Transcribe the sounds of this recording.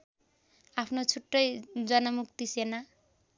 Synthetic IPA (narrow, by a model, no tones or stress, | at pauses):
apʰnot͡sʰuʈːʌjd͡zʌnʌmuk̚t̪isena